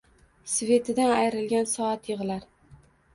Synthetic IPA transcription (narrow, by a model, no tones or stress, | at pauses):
sve̞t̪ʰɪd̪anajɾɪlɡʲansɒat̪jɨʁɨlaɾ